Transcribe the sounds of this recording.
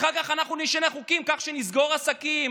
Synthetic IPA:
χalkaχanaχnuniʃaneχukimkaχʃenizɡo̞ʁasakim

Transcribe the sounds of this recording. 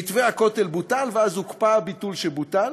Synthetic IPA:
it̪veakotelbutalveazhukpabit̪ulʃelbutal

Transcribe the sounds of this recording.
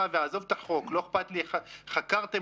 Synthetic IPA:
aveazovt̪aħo̞klo̞eχpat̪liaχakaʁt̪e

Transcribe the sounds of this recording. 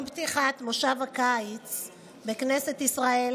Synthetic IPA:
bt̪iχat̪moʃavakajt͡s | bekneset̪isʁael

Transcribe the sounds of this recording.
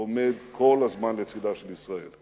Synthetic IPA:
ome̞d̪kʰo̞lhazmanlet͡sid̪aʃelisʁael

